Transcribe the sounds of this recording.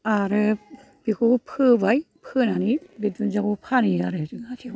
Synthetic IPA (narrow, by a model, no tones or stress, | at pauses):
aɾɯ | b̥ikʰupʰɯbaj | pʰɯnanibidunzaɡupʰaniaɾɯzɯŋatʰi